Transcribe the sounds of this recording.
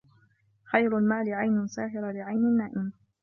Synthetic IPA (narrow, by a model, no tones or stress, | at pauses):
xajɾʊlmaːlɪʕajnʊsaːɦɪɾalɪʕajnɪnːaːʔɪm